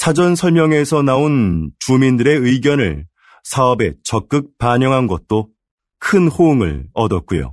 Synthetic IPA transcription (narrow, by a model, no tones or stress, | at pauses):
sʰad͡ʑʌnsʰʌɭmjʌŋe̞sʰʌnaont͡ɕumindɯɾe̞ɯiɡjʌnɯɭ | sʰaʌbe̞t͡ɕʌk̚k͈ɯk̚paɲjʌŋɦanɡʌt̚t͈o | kʰɯnhoŋɯ̰ɭʌdʌt̚k͈ujo̰